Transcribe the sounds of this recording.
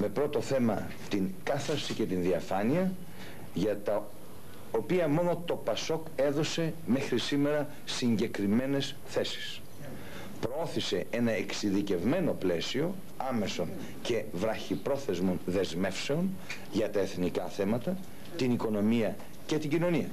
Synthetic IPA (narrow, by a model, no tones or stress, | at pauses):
me̞pɾo̞t̪o̞θe̞mɐ | t̪iŋkɐθɐɾsice̞t̪inðiɐfɐniɐ | ʝɐt̪ɐ | opiɐmo̞no̞t̪o̞pɐso̞ke̞ðo̞se̞me̞xɾisime̞ɾɐ | siɲɟe̞kɾime̞ne̞s | θe̞si̥s | pɾoo̞θise̞e̞nɐe̞ksiðice̞vme̞no̞ple̞sio̞ | ɐme̞son | ce̞vɾɐçipɾo̞θe̞zmo̞nðe̞zme̞fse̞o̞n | ʝɐt̪ɐe̞θnikɐθe̞mɐt̪ɐ | t̪iniko̞no̞miɐ | ce̞t̪iɲɟino̞niɐ